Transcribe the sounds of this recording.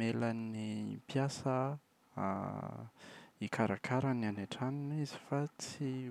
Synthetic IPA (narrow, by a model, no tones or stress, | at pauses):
melanipjasə̰ | ikaɾakʰaɾananeʈ͡ʂaninizi̥fat͡si